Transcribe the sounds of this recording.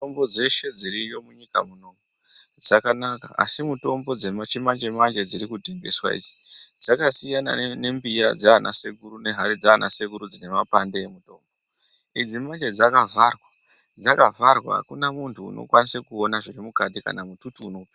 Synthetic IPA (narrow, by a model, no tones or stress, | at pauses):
ombod͡ze̞ʃe̞d͡ziɾijo̞muɲika̰muno̞mod͡zakanaka̰a̰simuto̞mbo̞d͡ze̞mat͡ʃimand͡ʒe̞mand͡ʒe̞d͡ziɾikudʱembḛswa̰ḭd͡zi̥d͡zakasijana̰ne̞mbijad͡zaːna̰se̞kuɾune̞ɦaɾid͡zaːna̰se̞kuɾud͡zine̞mapande̞jemuto̞ːmbo | id͡zimand͡ʒe̞d͡zakavʱarwa | d͡zakavʱarwa̰kunamuntʰṵːno̞̰kwanisekuonaʐiɾimukatika̰namututuːno̞pi